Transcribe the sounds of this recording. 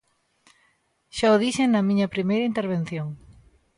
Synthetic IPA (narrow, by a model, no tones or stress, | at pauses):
ʃaoðisenɐmĩɲɐpɾimejɾɐint̪eɾβ̞ẽn̟θjoŋ